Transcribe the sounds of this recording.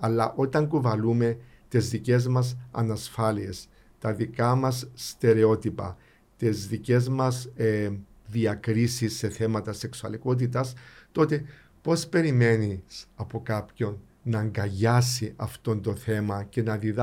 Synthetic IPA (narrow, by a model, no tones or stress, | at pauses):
ɐlːɐʔo̞t̪ɐŋkuvɐlume̞t̪ezðice̞zmɐsɐ̰nɐsfɐlie̞s | t̪ɐðikɐmɐsːt̪e̞ɾe̞o̞t̪ipɐ̰ | t̪ezðice̞zmɐs | ðiɐkɾisisːe̞θe̞mɐt̪ɐse̞ksuɐliko̞t̪̬it̪ɐst̪o̞t̪e̞ | po̞spe̞ɾime̞nisɐpo̞kapço̞nː | ɐŋɡɐʝɐsiʔɐft̪o̞nt̪o̞θe̞mɐce̞nɐðið